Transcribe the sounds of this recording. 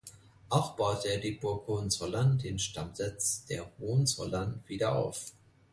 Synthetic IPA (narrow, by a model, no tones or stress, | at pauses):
ʔaʊxb̥aʊtəeːɐdiːb̥okʰoːnzolandeːnʃtamzat͡sd̥eːɐvoːnzolanv̥iːdɐʔa̰ʊf